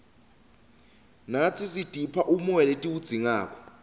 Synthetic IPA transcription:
nat͡sʰisid̥ʱipʰaʔumuɛletʼiwud̥d͡z̥ʱiŋaːk̬ʰʼɔ̥

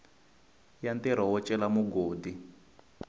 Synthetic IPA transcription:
jantɛɾɔwɔt͡ʃʼɛlamuɡoːdi

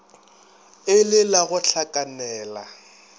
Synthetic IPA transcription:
ɪlɪlaɣʊɬʰakʼanɛːla̰

